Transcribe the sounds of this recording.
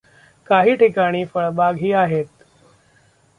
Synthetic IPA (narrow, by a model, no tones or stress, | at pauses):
kaɦiːʈʰikaɽ̃iːfəɭbaɡɦiːaɦet̪̚